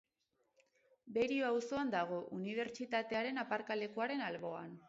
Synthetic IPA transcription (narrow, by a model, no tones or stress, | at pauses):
be̞ɾioawso̞and̪aɣ̞o̞ʔuniβ̞e̞ɾt͡ʃit̪at̪e̞aɾe̞napaɾkale̞kuaɾe̞nalβo̞an